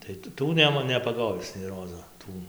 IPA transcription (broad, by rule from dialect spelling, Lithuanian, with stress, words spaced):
tɐɪ ˈtuː ˈnʲæːmɐ nʲɛpɐˈɡoːʋʲɪs nʲɛɪ ˈroːzoː ˈtuː